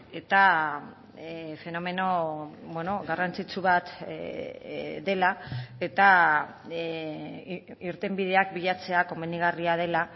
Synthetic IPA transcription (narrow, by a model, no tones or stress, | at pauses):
e̞t̪a | fe̞no̞me̞no̞bweno̞ɣarant͡sit͡suβat̪ | d̪e̞lae̞t̪a | iɾt̪embiðe̞akbiʎat͡se̞ako̞meniɣ̞ariað̞e̞la